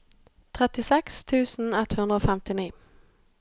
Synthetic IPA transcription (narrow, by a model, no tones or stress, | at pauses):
t̪ʰɾɛt̪ːɪsɛkst̪ʰʉ̟ːsnɛt̪ːhɵnd̪ɾaofɛmt̪ɪniː